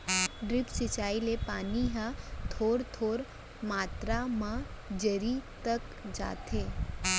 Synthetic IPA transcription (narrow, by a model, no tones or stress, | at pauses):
ɖɾɪpsɪt͡ʃaːilepaːniɦãt̪ʰoːɾt̪ʰoːɾ | maːt̪ɾamãd͡ʒəɾit̪ək | d͡ʒa̰ːt̪ʰeː